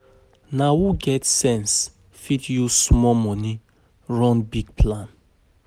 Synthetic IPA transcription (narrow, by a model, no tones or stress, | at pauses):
nawuɡɛtsɛ̃ns | fitjusmɔmɔni | ɹɔ̃nbiɡpʰlãn